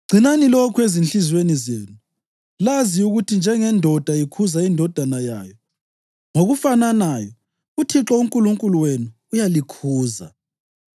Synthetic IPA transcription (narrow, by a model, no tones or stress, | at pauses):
ɡ͡ǀʱinanilokʰwezinɬizwenizeːnu | laziuɣutʰind͡ʒʱɛŋɛndʱɔd̥ʱaikʰuzaindʱɔd̥ʱanaja̰ːjɔ | ŋoɣufananajɔ | utʰiǁɔuŋkʼuluŋkʼuluwenuːjalikʰuːza̰